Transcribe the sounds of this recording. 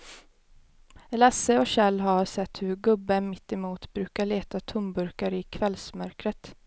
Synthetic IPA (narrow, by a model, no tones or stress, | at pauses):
lasːəɔɕɛlːɦaɾsɛt̪ːhɵɾɡɵbːəmɪt̪ːɛmuːt̪bɾʉ̟ːkaɭeːt̪at̪ʰʊmbɵɾkaɾɪkʰvɛlːsmœɾkɾət̪